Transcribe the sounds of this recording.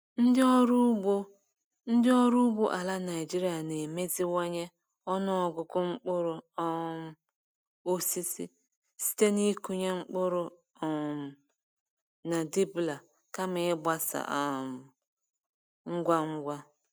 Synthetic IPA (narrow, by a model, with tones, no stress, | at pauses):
n̩˦dɪ˦ɔ˦ɾu˦ɡ͡bo˦ | n̩˦dɪ˦ɔ˦ɾu˦bo˦ʔa˨la˦na˨i˨d͡ʒi˦ɾi˦a˨ne˨me˦zi˦wa˦ɲe˦ | ɔ˦nʊ˦ɔ˨ɡʊ˨kʊ˦ŋ͡m̩˦k͡pʊ˦ɾʊ˨ɔ˦m˦ | o˦si˦si˦ | si̥˦te˦ni˦ku˦ɲe˦ŋ͡m̩˦k͡pʊ˦ɾʊ˦˨ | m̩˨ | na˨di˦bla˨ | ka˦mɪ˨ɪ˦bʷa˦sa̰˨ʔa˨m˨ | ŋ͡m̩˦ɡʷa˦ŋ͡m̩˦ɡʷa˦